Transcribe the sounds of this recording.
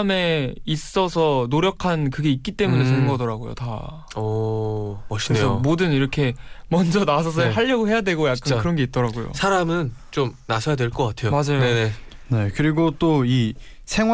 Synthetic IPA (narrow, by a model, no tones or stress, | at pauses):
me̞is͈ʌsʰʌnoɾjʌkʰankɯɡe̞it̚k͈it͈e̞mune̞sɯɯŋɡʌdʌɾaɡojo̰ta | ʌ | ʌɕʰieʌomodɯniɾʌkʰe̞mʌnd͡ʑʌnas̬ʰʌs̬ʰʌɦaʎːʌɡoɦe̞jadwe̞ɡojakk͈ankɯɾʌnɡe̞it̚t͈ʌɾaɡojo̰sʰaɾamɯnt͡ɕomnasʰʌjadwe̞ɭk͈ʌk͈atʰe̞jomad͡ʑajonene̞ | ne̞kɯɾiɡot͈oi | sʰe̞ŋw